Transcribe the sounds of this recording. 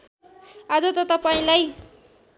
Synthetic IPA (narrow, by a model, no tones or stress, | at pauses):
ad͡zʌt̪ʌt̪ʌpaĩlaj